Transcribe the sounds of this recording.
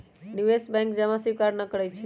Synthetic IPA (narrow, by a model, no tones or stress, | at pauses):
nuʋesbɛ̃ŋkd͡ʒemãsiʋkaɾnəkəɽajt͡ʃʰe